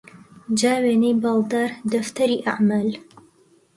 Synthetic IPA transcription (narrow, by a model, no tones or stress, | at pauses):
d͡ʒaːweːnejbɑld̪aːɾd̪ɐft̪ʰɐɾiːʔa̰ʕmaːl